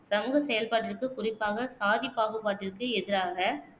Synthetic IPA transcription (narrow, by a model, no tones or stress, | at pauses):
sɐmuːɣɐsɛjɐlpaːʈːɪrkɯkʊrɪpːaːɣɐsaːðɪpːaːɣɯpaːʈːɪrkːɯɛðɪɾaːɣɐ